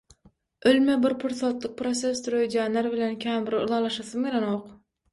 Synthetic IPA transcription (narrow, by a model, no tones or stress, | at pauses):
ølmebɪɾpʰʊɾsot̪lˠɨq̚pɾot̪sest̪ʰuɾød͡ʒænːæɾbɪlænkʲʰæmbɪɾṵlˠɑlˠɑʃɑsɨmɡʲelanoq